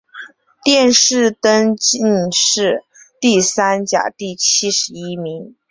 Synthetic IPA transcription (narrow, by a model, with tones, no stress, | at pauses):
t̪jɛ˥˧nʂɻ̩˥˩t̪ə˥ŋt͡ɕi˥˧nʂɻ̩˥˩ | t̪i˥˩sa˥nt͡ɕja̰˨˩t̪i˥˩t͡ɕʰi˥ʂɻ̩˧˥i˥mi˧˥ŋ